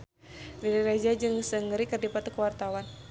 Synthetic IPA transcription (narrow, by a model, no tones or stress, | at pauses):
diɾiɾad͡ʒad͡ʒɨŋsəŋɾikərdipat̪ukəwart̪awan